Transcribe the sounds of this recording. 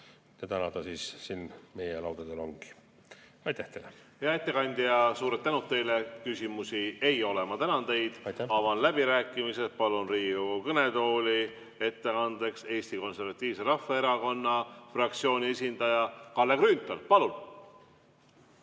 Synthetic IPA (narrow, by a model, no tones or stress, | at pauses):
t̪et̪ænɑd̪ɑsiːssinːme̞jelɑ̰wd̪̥ɑd̪elo̞ŋɡ̥i̥ | ɑjt̪ːæht̪ejleheɑet̪ːˑekɑnʲd̪ijɑsuːɾet̪ːænut̪ːe̞jle̞kysʲimusie̞jo̞le̞mɑt̪ænɑnt̪e̞jd̪̥jɑvɑnlæb̥iɾæːkːˑimise̞st̪̚pɑlunriːukɤne̞t̪o̞ːli | e̞t̪ːe̞ɑnd̪e̞kse̞ːsʲt̪iko̞nse̞rɾvɑt̪ʲːˑiːvse̞ɾɑfːeeɾɑko̞nːɑfrɑk̚t̪sio̞ːnʲie̞sʲind̪̥ɑjɑkɑlːekrynt̪ːˑolpɑlun